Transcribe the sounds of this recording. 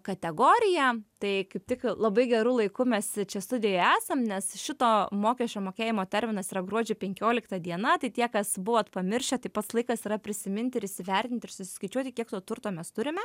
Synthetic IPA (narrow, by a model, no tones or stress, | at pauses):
kɐt̪ʲɛɡoːɾʲɪjɛt̪ɐɪkɐɪp̚t̪ʲɪklˠɐbɐɪɡʲɛɾuːlˠɐɪkʊmʲɛst͡ʃʲɛst̪ʊd̪ʲɪjojæːsɐmnʲɛsʃʲɪt̪oːmoːkʲɛʃʲt͡ʃʲoːmoːkʲeːjɪmoːt̪ʲɛɾʲmʲɪnɐsiːɾɐɡɾuɔd͡ʒʲʊpʲɛŋʲkʲoːlʲɪkt̪ɐd̪ʲiɛnɐt̪ɐɪt̪ʲiɛkɐsbʊʋoːt̪pɐmʲɪɾʲʃʲɛt̪ɐɪpɐt̪slˠɐɪkɐsiːɾɐpʲɾʲɪsʲɪmʲɪnʲt̪ʲɪɾɪʃsʲɪʋʲɛrʲt̪ʲɪnʲt̪ʲɪrsʊsʲɪ̥skɐɪt͡ʃʲuɔt̪ʲɪkʲiɛkt̪oːt̪ʊrt̪oːmʲɛst̪ʊɾʲɪmʲɛ